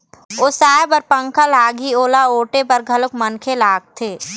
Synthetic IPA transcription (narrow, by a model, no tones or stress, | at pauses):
oːsaːjbəɾpɐ̃ŋkʰəlaːɡioːlaoːʈepɐɾɡʱɐlʊkmənkʰelaːɡ̚t̪ʰeː